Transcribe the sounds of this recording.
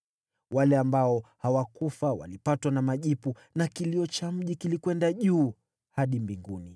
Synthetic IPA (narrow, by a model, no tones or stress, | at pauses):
walɛambaɔhawakufawa̰lipatwanamaʄipu | nakiliɔt͡ʃam̩ʄikilikwɛndaʄuː | haɗimbiŋɡuni